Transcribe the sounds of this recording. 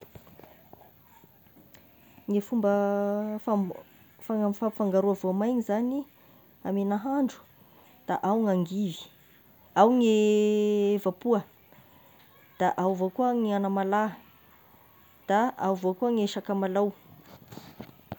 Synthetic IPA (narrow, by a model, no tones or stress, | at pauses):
ŋefumbə | afafaŋɡaɾuavoamajɲizani | amenaɦaɳɖ͡ʐu̥ | d̪̥aʔawŋaŋɡivi̥ | awŋe | vapuə | d̪̥aʔawvokuəŋianəmala | d̪̥aawvokuəŋeʃakəmalaw